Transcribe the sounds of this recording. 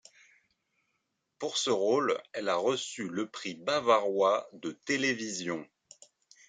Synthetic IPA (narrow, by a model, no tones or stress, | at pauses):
puʁsəʁolɛlaʁəsyləpχibavaʁwad̪ət̪elevizjɔ̃